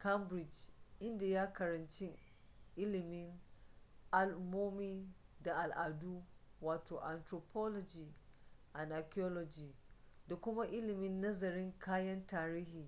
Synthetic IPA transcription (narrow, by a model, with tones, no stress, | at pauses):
kɐ˦mbɾɪ˨d͡ʒʔɪ˦nda˨ja˦kɐ˨ɾɐ˨nt͡ʃɪ˦ŋ | ʔɪ˦lɪ˨mɪ˦ŋ | ʔa˨lmoː˦miː˦ | da˨ʔa˨lʔa˨du˦waː˨toː˨ʔa˨ntɾoː˨pʰɔ˦lɔ˨d͡ʒiː˨ | ʔa˨na˨kʲɔ˦lɔ˨d͡ʒiː˨da˨kʷʊ˦ma˦ʔɪ˦lɪ˨mɪ˦nːɐ˦zɐ˨ɾɪ˦ŋkʰaː˦jɐ˦ntaː˨ɾiː˦ɦiː˨